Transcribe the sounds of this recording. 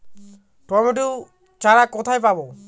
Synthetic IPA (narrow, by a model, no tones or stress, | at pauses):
ʈɔbɛʈu | t͡ʃaɾakɔt̪ʰajpabɔ